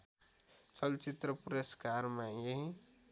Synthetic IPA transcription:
t͡ʃʌlt͡ʃit̪ɾəpuɾəskaɾmejeɦi

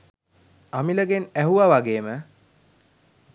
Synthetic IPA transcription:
amiləɡenæɦuʋaʋaɡeːmə

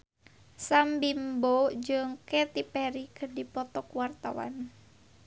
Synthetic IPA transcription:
sambimbod͡ʒɨŋkɛt̪ipɛɾikɨrdipɔt̪ɔkwart̪awa̰n

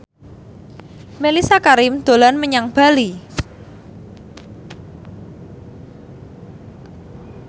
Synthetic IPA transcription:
melisakaɾɪmd̪̥o̤lanməɲaŋb̥a̤li

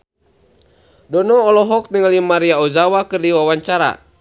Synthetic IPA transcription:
dɔnɔːlɔɦɔk̚nəŋalimaɾiauzawakɨrdiwawaɲt͡ʃaɾa̰

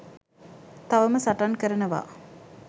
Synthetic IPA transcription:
t̪aʋəməsaʈankəɾənəʋa̰

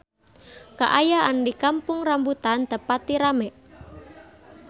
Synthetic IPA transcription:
ka̰ʔajaʔandikampʊŋrambut̪and̪̥əpat̪iɾamɛʔ

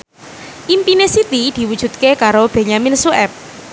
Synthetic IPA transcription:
ʔimpinesit̪id̪̥i̤wud̥ʒ̥ṳt̪̚kekaɾob̥e̤ɲaminsuʔɛp̚

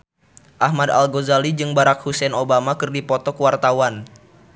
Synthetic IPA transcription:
ʔahmada̰lɡozalid͡ʒɨŋbaɾak̚husɛnobamakɨrdipɔt̪ɔkəwart̪awan

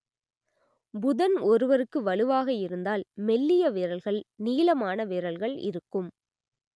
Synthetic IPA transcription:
bʊðɐnɔɾɯʋɐɾɯkːɯʋɐɭɯʋaːɣɐɪɾɯnd̪aːlmɛlːɪjɐʋɪːɾɐlɣɐɭniːlɐmaːnɐʋɪːɾɐlɣɐɭɪ̰ɾɯkːɯm

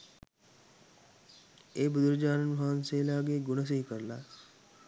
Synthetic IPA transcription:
eːbud̪uɾd͡ʒaːnɐnmɦaːnseːlaːɡeɡunɐs̬iikəɾla

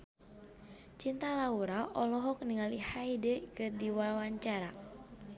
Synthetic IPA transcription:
t͡ʃint̪alauɾaʔɔlɔɦɔk̚niŋalihaidɛkədiwawaɲt͡ʃaɾa

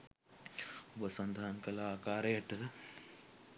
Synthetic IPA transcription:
ubɐsɐnd̪ʱaːnkɐlaːkaːɾɐjɐʈɐ

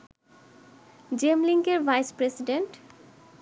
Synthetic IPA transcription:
d͡ʑemliŋkeɾvʱajspɾesiɖeɳʈ

